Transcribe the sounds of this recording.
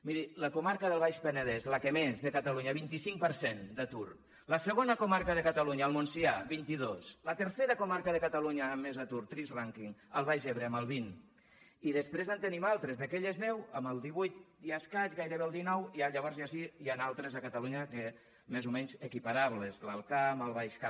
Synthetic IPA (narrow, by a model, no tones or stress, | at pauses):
miɾiləkumaɾkəðəlˠβajʃpənəðɛzlakəmezðəkat̪aluɲaβint̪isiŋkpəɾsend̪at̪uɾ | ləsəɣ̞onəkumaɾkəðəkat̪aluɲaːlˠmunsiaβint̪iðoslət̪əɾseɾəkumaɾkəðəkat̪aluɲaːmːezat̪uɾt̪ɾizraŋkiŋəlˠβajzeβɾeəməlˠβin | iðəspɾezant̪ənimalˠt̪ɾəzðakeʎəznɛwəməlˠd̪iβujt̪̚d̪iaskat͡ʃɣajɾəβeəlˠd̪inɔwiaʎəβ̞ɔɾzjasiianalˠt̪ɾəzəkat̪aluɲake | mezumɛɲzəkipaɾaβləzləlˠkaməlˠβajʃka